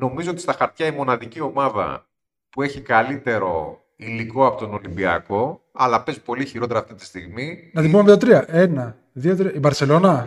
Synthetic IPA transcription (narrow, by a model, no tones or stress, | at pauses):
no̞mizo̞ot̪ist̪ɐxɐɾt̪çɐimo̞nɐðicio̞mɐðɐ̰ | pue̞çikɐlit̪e̞ɾo̞̰ | iliko̞ɐpo̞t̪ono̞limbiɐ̰ko̞ | ɐlɐpe̞zpo̞liçiɾo̞t̪e̞ɾɐːft̪it̪i̥st̪iɣminɐt̪ibumeðio̞t̪ɾiɐʔe̞nɐ | ðiot̪ɾiɐibɐɾse̞lo̞nɐ